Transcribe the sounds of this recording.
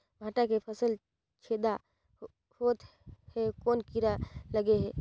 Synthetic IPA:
bʱaːʈakepʰəsəl | t͡ʃʰeːd̪a | hoːt̪ | hɛkoːnkiɾaləɡeɦɛː

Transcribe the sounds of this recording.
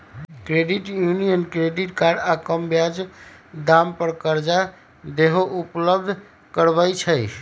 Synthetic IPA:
kɾeɖiʈjunijənkɾeɖiʈkaɾɖakəmbjad͡ʒd̪ampəɾkəɾd͡ʒa | d̪eɦoʔupləb̚d̪ʱ | kəɾbəjt͡ʃʰəj

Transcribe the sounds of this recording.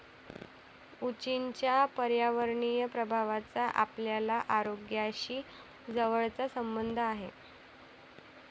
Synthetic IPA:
ut͡ɕiɲt͡ɕjapəɾjaʋəɾɳijəpɾəbʱaʋat͡saʔa̰pljalaʔaɾoɡjaɕiː | d͡zəʋəɭt͡sasəmbənd̪ʱəaɦḛ

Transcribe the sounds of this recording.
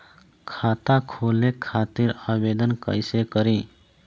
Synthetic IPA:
kʰaːt̪akʰoːlekʰaːt̪iɾabeːd̪ənkə̰ɪsekəɾĩ

